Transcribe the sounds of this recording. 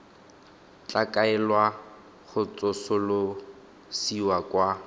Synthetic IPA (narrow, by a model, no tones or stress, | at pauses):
t͡ɬʼakʼaɛlwa | χʊt͡sʼʊsʊlʊ | siwakwa